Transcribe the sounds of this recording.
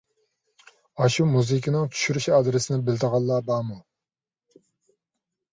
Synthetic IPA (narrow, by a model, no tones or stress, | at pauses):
ɑʃumuzɨkʲʰinɪŋt͡ʃʰy̥ʃyɾyʃɑd̪ɾɪsɪnɪbɪlt̪əʁɑlˠːɑːbɑːmu